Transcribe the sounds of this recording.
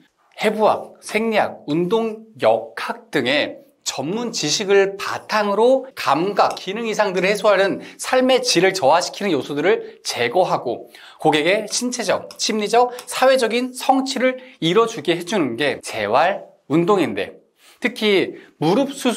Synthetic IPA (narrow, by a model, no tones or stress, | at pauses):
he̞buɦa̰k̚sʰeŋɲak̚undoŋjʌkkʰak̚t͈ɯŋe̞ | t͡ɕʌmːunt͡ɕiɕʰiɡɯɭpa̰tʰaŋɯɾokamɡak͈ːinɯŋisʰaŋdɯɾɯɭhe̞sʰoɦanɯnsʰaɭme̞t͡ɕiɾɯɭt͡ɕʌwaɕʰi̥kʰinɯnjosʰudɯɾɯɭt͡ɕe̞ɡʌɦaɡo | koɡe̞ɡe̞ɕʰint͡ɕʰe̞d͡ʑʌk̚t͡ɕʰimɲid͡ʑʌsʰawe̞d͡ʑʌɡinsʰʌŋt͡ɕʰiɾɯɭiɾʌd͡ʑuɭɡeɦed͡ʑunɯnɡe̞t͡ɕe̞̰waɭ | undoŋinde̞̰ | tʰɯkʰimuɾɯp̚s͈ʰu